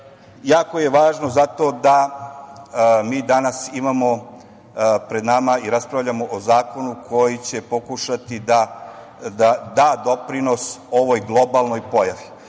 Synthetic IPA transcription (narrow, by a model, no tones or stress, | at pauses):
jaːko̞je̞ʋaːʒno̞zat̪o̞ːd̪a | miːd̪anasimamo̞ | pɾe̞d̪namaiɾaspɾaʋʎamoʔozaːko̞nukʰo̞jit͡ɕe̞po̞kuʃat̪id̪a | d̪ad̪aːd̪o̞pɾino̞so̞ʋo̞jɡlˠo̞balˠno̞jpo̞jaʋi